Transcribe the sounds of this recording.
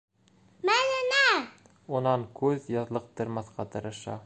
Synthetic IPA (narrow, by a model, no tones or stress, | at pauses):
mælɪnæ | onɑnkʰɵzjɒðlˠɤq̚t̪ɤ̆ɾmɑθqʰɑt̪ʰɤɾɤʃɑ̰